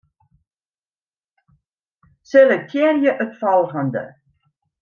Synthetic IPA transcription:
selək̚tʰiərjəʔœtfɐlˠχəndə̰

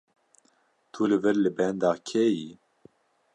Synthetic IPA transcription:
t̪ʰulɨvɨɾlɨbɛnd̪ɑːkʰɛji

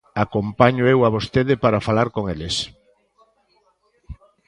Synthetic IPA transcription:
akompaɲʊewaβ̞ost̪eðɪpaɾafalaɾkoŋelɪs

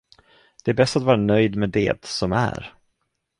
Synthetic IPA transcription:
d̪̥ɛæɾbɛst̪at̪vɑːɾanœjd̪mɛd̪ḛːt̪sɔmæ̰ɾ

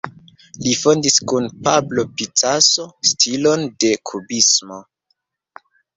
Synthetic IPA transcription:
lifo̞ndiskunpablo̞pit͡saso̞stʰilo̞nde̞kʰubismo̞

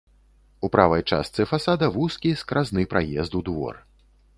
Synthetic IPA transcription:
upɾavɐjt͡ʂa̰st̪sɨfasad̪ɐvuskʲiskɾaznɨpɾajɛzd̪ud̪vɔ̰r

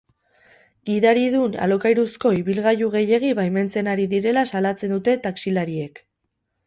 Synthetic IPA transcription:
iðaɾið̞una̰lo̞kajɾusko̞iβilɣajuɣe̞je̞ɣ̞iβajme̞nt͡se̞naɾiðiɾe̞lasalat͡se̞nd̪ut̪e̞t̪aksilaɾie̞k

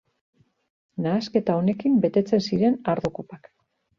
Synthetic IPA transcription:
naːske̞t̪ao̞ne̞kimbe̞t̪e̞t͡se̞nsiɾe̞naɾðukopak

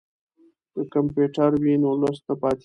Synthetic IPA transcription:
kəkampjuʈaɾwinolust̪apɑt̪

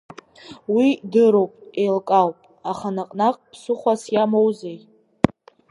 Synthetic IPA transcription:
widɨɾowpʼejlkʼawpʼ | aχanaqʼnakʼpʰsʊχʷasjamowzej

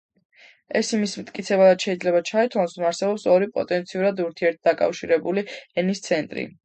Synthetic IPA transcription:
ɛsimismt̪ʼkʼit̪sʰɛbadad̪ʃɛid̪zlɛbat͡ʃʰait̪ʰwansɔmaɾsɛbɔpsɔɾipʼɔ̰t̪ʼɛnt̪sʰiuɾad̪uɾt̪ʰiɛɾt̪̚d̪akʼa̰fʃiɾɛbuliɛnist̪sʰɛnt̪ʼɾḭ

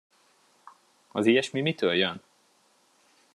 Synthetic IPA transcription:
ɒziːjɛʃmimit̪øːljøn

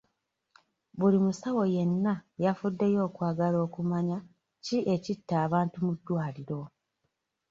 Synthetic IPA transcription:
βulimusawo̞je̞nːajafudːe̞jo̞ːkwaːɡalo̞ːkumaɲa | ciʔe̞citːaːβaːntumudːwaːliɾo̞

